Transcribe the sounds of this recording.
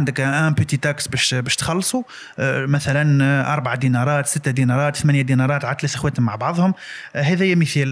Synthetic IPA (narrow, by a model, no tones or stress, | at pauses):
and̪əkʔæpət̪it̪æksbæʃbæʃt̪xɑlːsˤu | mæθælænʔɑ̰ɾˤbaʕad̪inɑɾˤɑt̪sət̪ːad̪inɑɾˤɑt̪θmænjæd̪inɑɾˤɑt̪ʕat̪læsəxwæt̪əmːaʕbɑʕðˤhʊmhæðæjːæmiθæl